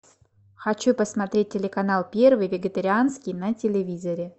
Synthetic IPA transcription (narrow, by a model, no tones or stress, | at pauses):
xɐt͡ɕupəsmɐt̪ɾʲet̚ʲtʲːɪlʲɪkɐnalˠpʲe̞rvɨjvʲɪɡʲɪt̪əɾʲɪanskʲɪjnətʲɪlʲɪvʲizəɾʲɪ